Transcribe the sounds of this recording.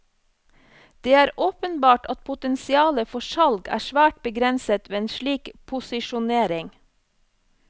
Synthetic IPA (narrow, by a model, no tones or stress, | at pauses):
d̪̥eːæːɾoːpənbɑːʈɑt̪̚pʰʊt̪ɛnsɪɑːləfɔʃɑlɡæ̰ːʃʋæːʈ̚bəɡɾɛnsət̪ʋeːeːnʃɭiːkpʰʊsɪʃʊneːɾɪŋ